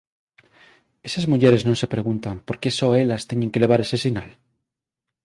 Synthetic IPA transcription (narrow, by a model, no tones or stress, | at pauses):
e̞sazmuʝeɾe̞znõnse̞pɾe̞ɣ̞unt̪ampo̞ɾke̞soelast̪eɲeŋke̞le̞β̞aɾe̞sesinal